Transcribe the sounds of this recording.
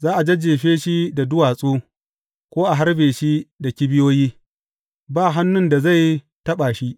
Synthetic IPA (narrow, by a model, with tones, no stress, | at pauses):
zaː˦ʔa˨d͡ʒɐ˦d͡ʒeː˨ɸeː˦ʃi˦da˨dʊ˦waː˨sʼoː˦ | kʷoː˦ʔa˨ɦa˦ɾbeː˨ʃi˦da˨kʲi˦bɪ˦joː˦jiː˦ | baː˦˨ɦa˦nːʊ˦nda˨za˦˨j | tɐ˦ɓaː˨ʃi˦ʔ